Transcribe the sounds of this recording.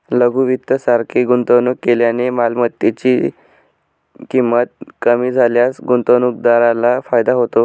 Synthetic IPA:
ləɡuʋit̪ːəsaɾkʰiɡunt̪ənukːeljanemalmət̪ːit͡ɕiː | kimːət̪̚kəmiːd͡zʱaljasɡunt̪ənuk̚d̪aɾalafajd̪aɦot̪o

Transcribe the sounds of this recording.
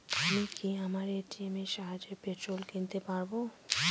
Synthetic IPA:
amikiamaɾeʈiiemeʃaɦad͡ʑeɾpet̪ɾolkint̪epaɾbo

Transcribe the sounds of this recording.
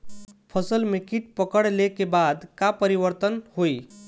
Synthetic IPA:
pʰəsəlmẽkiʈ̚pəkəɽlekebad̪kapəɾiʋəɾt̪ənhoi

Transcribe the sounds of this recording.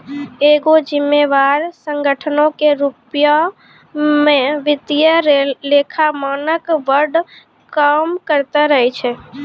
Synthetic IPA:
eːɡod͡ʒɪmːeʋaɾsə̃ŋɡəʈʰənõkeɾupja | mẽʋɪt̪jəɾelekʰamaːnəkʋəɾɖ | kamkəɾt̪aɾəɦɛt͡ʃʰɛ

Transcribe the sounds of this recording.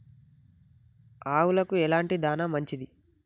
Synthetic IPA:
aːwulɐkuɛlaːɳʈid̪aːnamɐɲt͡ʃid̪i

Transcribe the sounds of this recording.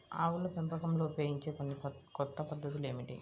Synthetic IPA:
aːwulɐpempɐkɐmlo̞ːupeːɡiɲt͡ʃe̞ːkonːikɔt̪ːɐpɐd̪ːɐt̪ule̞ːmiʈḭ

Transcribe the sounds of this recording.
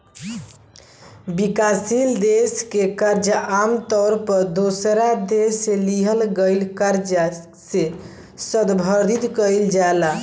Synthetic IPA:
bikasild̪eskekəɾd͡ʒəamt̪ɔɾpəɾd̪osɾad̪eseliɦəlɡəɪlkəɾd͡ʒə | se | səd̪bʱəɾd̪it̪kəɪld͡ʒaela

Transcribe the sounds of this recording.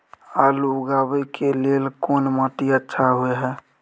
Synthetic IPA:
aluɡabəjkelelkonmat̪iətːʃʰaɦueɦɛː

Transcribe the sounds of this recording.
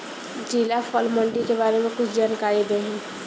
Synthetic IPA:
d͡ʒiːlafʰɔːlmə̃ɳɖikebaːɾemẽkʊt͡ʃʰd͡ʒaːnkaːɾid̪eɦɛ̃ː

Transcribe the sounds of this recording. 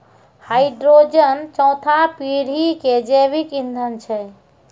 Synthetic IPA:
haiɖɾod͡ʒənt͡ʃɔ̃ʊ̃t̪ʰapiɽ̤iked͡ʒebikĩnd̪ʱənt͡ʃʰɛ

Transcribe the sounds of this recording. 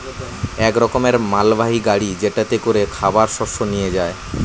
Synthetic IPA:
ɛkɾɔkomeɾmalbaɦiɡaɽid͡ʑeʈat̪ekoɾekʰabaɾʃɔʃonijed͡ʑae

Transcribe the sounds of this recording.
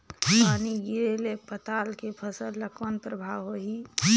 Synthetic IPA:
paːniɡiɾelepət̪aːlkepʰəsəlːəkʰwənpɾəbʱaʋɦoɦi

